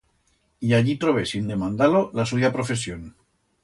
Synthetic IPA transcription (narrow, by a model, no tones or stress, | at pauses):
iaʎit̪ɾoβesind̪emãnd̪alolasujapɾofes̬jon